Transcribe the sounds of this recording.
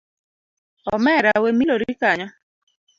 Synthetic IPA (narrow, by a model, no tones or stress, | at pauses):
ɔmɛɾawemiloɾikaɲɔ